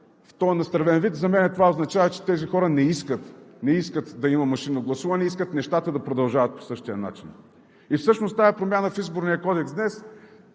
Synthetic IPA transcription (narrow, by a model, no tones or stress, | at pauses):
ft̪ɔjnɐst̪ɾɐvɛnvit̪zɐmɛnɛt̪ovaoznɐt͡ʃavɐt͡ʃɛ̥t̪ɛzixɔɾənɛiskət̪nɛiskət̪d̪ɐimɐmɐʃinoɡlˠɐsuvɐnɛiskət̪nɛʃt̪at̪əd̪ɐpɾod̪ɐlˠʒavɐt̪̚po̥sɤʃt̪ijəna̰t͡ʃin | ifsɤʃnost̪aɛpɾomʲanəfizboɾnijəkɔd̪ɛksd̪nɛs